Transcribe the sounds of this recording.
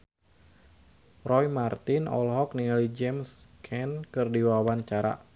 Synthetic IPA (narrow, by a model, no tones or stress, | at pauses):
rɔjmart̪ɪnɔ̰lɦɔkniŋalid͡ʒɛmskʰɛnkɨrdiwawaɲt͡ʃaɾa̰